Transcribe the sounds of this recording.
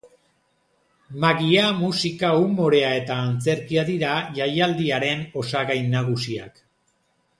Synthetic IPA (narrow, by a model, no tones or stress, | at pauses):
maɣiamusikaumo̞ɾe̞ae̞t̪aːnt͡se̞ɾkiaðiɾaʝajald̪iaɾe̞no̞saɣajnːaɣ̞usia̰k